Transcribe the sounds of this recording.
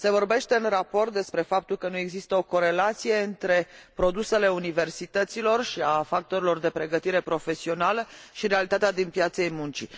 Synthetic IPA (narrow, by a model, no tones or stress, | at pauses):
se̞vo̞rbe̞ʃt̪e̞ɨnrapo̞rt̪̚d̪e̞spɾe̞fap̚t̪ulkənue̞ɡzist̪əo̞ko̞ɾelat̪sije̞ɨnt̪ɾe̞pɾo̞d̪use̞le̞unive̞rsit̪ət̪silo̞rʃiafak̚t̪o̞ɾilo̞rd̪e̞pɾe̞ɡət̪iɾe̞pɾo̞fe̞sio̞naləʃiɾe̞alit̪at̪ead̪inpjat̪sejmunt͡ʃḭ